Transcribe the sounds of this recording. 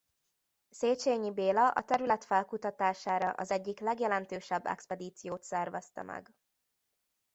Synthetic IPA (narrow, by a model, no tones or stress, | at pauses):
seːt͡ʃeːɲibeːlɒʔɒ̰t̪ɛɾylɛt̪fɛlkut̪ɒt̪aːʃaːɾɒʔɒzɛɟːiklɛɡjɛlɛnt̪øːʃɛbːɛ̰kspɛd̪iːt̪sijoːt̪sɛrvɛst̪ɒ̰mɛ̰ɡ